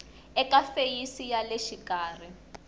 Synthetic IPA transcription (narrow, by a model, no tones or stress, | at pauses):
ɛkafejisijaleʃikaːri